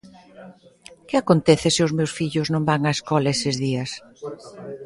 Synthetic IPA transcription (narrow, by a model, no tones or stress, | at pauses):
kɪakont̪eθɪsɪʊzmewsfiʎʊznõmbaŋaeskɔlaesɪzðiɐs